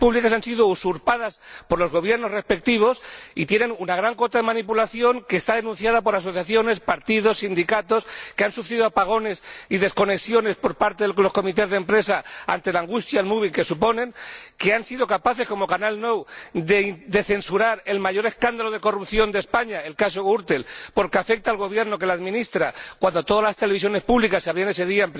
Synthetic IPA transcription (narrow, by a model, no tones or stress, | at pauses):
puβlikasansiðousuɾpaðaspo̞ɾlo̞zɣ̞o̞βje̞ɾno̞zrespe̞k̚t̪iβ̞o̞sḭt̪je̞ne̞ŋunaɣ̞ɾaŋko̞t̪aðe̞mãnipulaθjo̞ŋke̞ːst̪aðe̞nũn̟θjaðapo̞ɾaso̞θjaθjo̞ne̞spaɾt̪iðo̞sːind̪ikat̪o̞skeansufɾiðoapaɣ̞o̞ne̞siðe̞sko̞ne̞ksjo̞ne̞spo̞ɾpaɾt̪eðelo̞sko̞mit̪̬e̞zðempɾe̞saa̰nt̪e̞laŋɡust̪jalmuβ̞ilke̞supo̞nẽ̞ŋke̞ansið̞o̞kapaθe̞sko̞mo̞kanalno̞wded̪e̞θe̞nsuɾaɾe̞lmaʝo̞ɾe̞skand̪alo̞ð̞e̞ko̞rupθjo̞nd̪espaɲae̞lkaso̞ɣuɾt̪e̞lpo̞ɾke̞afe̞k̚t̪aːlɣ̞o̞β̞je̞ɾno̞ke̞laðmĩnist̪ɾakwand̪o̞t̪o̞ðalast̪e̞leβ̞is̬jo̞ne̞spuβlikasːaβɾiene̞se̞ðiaemp